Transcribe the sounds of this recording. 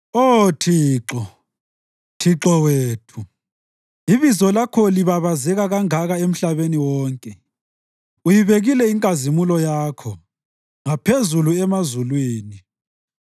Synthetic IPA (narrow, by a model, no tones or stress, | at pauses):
otʰiːǁɔ | tʰiǁɔweːtʰu | iβizɔlakʰɔliβaβazɛɣaɣaŋaɣaem̩ɬaβeniwɔːŋkʼɛ | ujiβeɣilɛiŋkʼazimulɔjaːkʰɔ | ŋapʰezuluɛmazulwiːni